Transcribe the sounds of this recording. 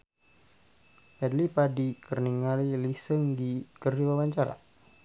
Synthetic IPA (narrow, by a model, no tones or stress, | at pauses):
pɛdlipadikərniŋalilisəŋdikərd͡ʒiwawaɲt͡ʃaɾa̰